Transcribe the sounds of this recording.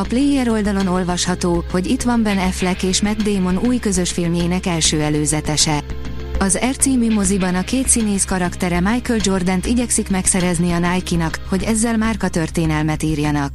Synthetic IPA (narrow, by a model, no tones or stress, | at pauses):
ɒpleːjɛɾo̞ld̪ɒlo̞no̞lvɒʃhɒt̪oːho̞ɟit̪ʋɒɱbɛnɛflɛkeːʃmɛd̪̚d̪eːmo̞nuːjkø̞zø̞ʃfilmjeːnɛkɛlʃøːɛløːzɛt̪ɛʃɛ | ɒzɛrt̪siːmymozibɒnɒkeːt̪sineːskɒɾɒkt̪ɛɾɛmajkøld͡ʒo̞rd̪ɛnt̪iɟɛksikmɛksɛɾɛzniɒnaːjkinɒkho̞ɟɛzːɛlmaːrkɒt̪ø̞rt̪eːnɛlmɛt̪iːrjɒnɒk̚